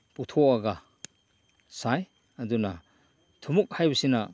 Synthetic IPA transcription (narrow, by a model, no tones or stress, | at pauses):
putʰoɐɡɐ | saj | ɐduna | tʰumuk̚hajbɐsinɐ